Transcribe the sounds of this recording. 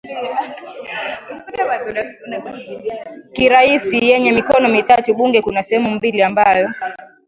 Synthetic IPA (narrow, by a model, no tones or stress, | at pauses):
kiɾaisijɛɲɛmikɔnɔmitatuɓuŋɡɛkunasɛhɛmum̩biliambajɔ